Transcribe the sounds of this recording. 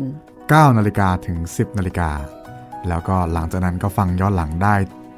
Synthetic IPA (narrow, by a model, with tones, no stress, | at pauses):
kaː˥˩wnaː˧li˦˧kaː˧t̪ʰɯ˩˦ŋsi˨˩p̚naː˧li˧kaː˧ | lɛː˦˥wkɔː˥˩la˩˦ŋt͡ɕaː˨˩k̚na˦˥nkɔː˥˩fa˧ŋjɔː˥˩nla˩˦ŋdaː˥˩j